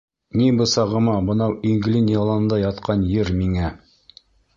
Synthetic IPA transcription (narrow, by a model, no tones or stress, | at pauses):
nibɤ̆sɑʁɤ̆mɑbɤ̆nɑwiŋɡlʲinʲjɑlˠɑɤ̆nd̪ɑjɑt̪qɑnjɘɾmiŋæ